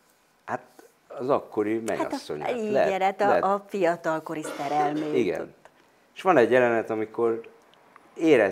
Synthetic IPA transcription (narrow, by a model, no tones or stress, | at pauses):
hat̪ | ɒzɒkːo̞ɾimɛ̰jaɒ̰t̪sːo̰ɲiːlɛɾɛt̪ɒɛfijɒt̪ɒlko̞ɾisɛɾɛlmeːiɡɛ̰o̰t̪ː | eʃʋɒnɛɟːjɛlɛnɛt̪ɒmiko̞r | eːɾɛ